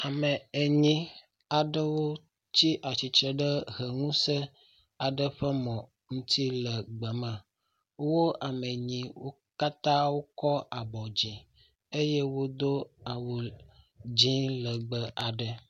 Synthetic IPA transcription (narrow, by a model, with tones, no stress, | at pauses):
a˨mə˨e˨ɲĩ˦ | a˨ɖə˦wo˦ | t͡ɕi˦ʔa˨t͡ʃi˨t͡ʃɾe˦ɖə˦ɦə˨ŋũ˦sə˦ | a˨ɖə˦ɸɛ˦mɔ̃˨ | ŋũ˦t̪i˦lə˨ɡ͡bə˨mɛ̃˨ | wo˦a˨mə˨ɲĩ˨wo˦ | ka˦t̪ã˦wo˦kɔ˦a˨bɔ˨d͡ʑi˨ | e˦je˦wo˦d̪o˦a˨wo˨ | d͡ʑĩ˦lə˨ɡ͡bə˦a˨ɖə˦